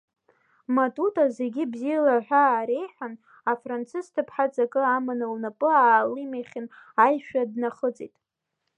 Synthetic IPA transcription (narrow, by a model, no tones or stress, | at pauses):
matʼutʼazeɡʲɪbzijalaħʷᶣaːɾe̞jħʷᶣan | afrant͡sʰɨztʰɨpʰħat͡sʼakʼɨamɨnɨlnapʼɨaːlimaχʲɪnajʃᶣadnaχət͡sʼitʼ